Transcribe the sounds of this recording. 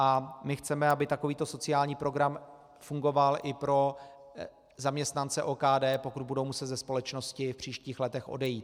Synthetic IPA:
ʔamɪxt͡sɛmɛabɪt̪ako̞viːt̪o̞so̞t͡sɪaːlɲiːpɾo̞ɡɾam | fuŋɡo̞valʔɪpɾo̞ | zamɲɛst̪nant͡sɛʔoːkaːdɛːpo̞kud̪̚budowmusɛt̪zɛspo̞lɛt͡ʃno̞scɪfpr̝̥iːʃciːxlɛt̪ɛxʔo̞̰dɛjiːt̪

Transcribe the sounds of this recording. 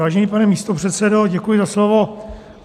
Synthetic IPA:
aːʒɛniːpanɛmiːst̪o̞pr̝̥ɛt̪sɛdoɟɛkujɪzaslovo̞

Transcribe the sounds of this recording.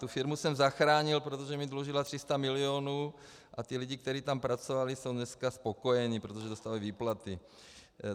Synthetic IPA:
t̪ufiɾmusɛmzaxɾaːɲilpɾot̪oʒɛmid̪luʒilat̪r̥ist̪amilioːnuː | ʔat̪iliɟik̚t̪ɛɾiːt̪ampɾat͡sovaliso̞wnɲɛskaspokojɛɲipɾot̪oʒɛd̪ost̪avajviːplat̪i

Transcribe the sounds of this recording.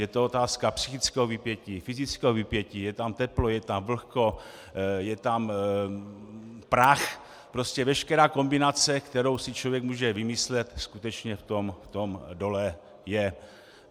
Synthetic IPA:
jɛt̪oot̪aːskapsixɪt͡skɛɦovipjɛcifɪzɪt͡skɛovipjɛciːjɛt̪amt̪ɛplojɛt̪amvl̩xko̞ | jɛt̪am | pɾax | pɾo̞scɛvɛʃkɛɾaːko̞mbɪnat͡sɛkt̪ɛɾo̞wsɪt͡ʃlo̞vjɛkmuːʒɛvɪmɪslɛt̪skut̪ɛt͡ʃɲɛft̪o̞mft̪omdo̞lɛ | jɛ

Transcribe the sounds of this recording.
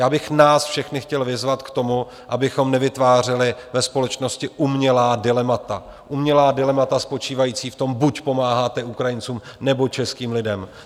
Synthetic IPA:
jaːbɪxnaːsfʃɛxnɪxcɛlvɪzvat̪kt̪o̞mu | ʔabɪxo̞mnɛvɪt̪vaːr̝ɪlɪvɛspo̞lɛt͡ʃno̞scɪʔumɲɛlaːdɪlɛmat̪a | ʔumɲɛlaːdɪlɛmat̪aspo̞t͡ʃiːvajiːt͡siːft̪o̞mbucpo̞maːɦaːt̪ɛʔukɾajɪnt͡suːmnɛbo̞t͡ʃɛskiːmlɪdɛm

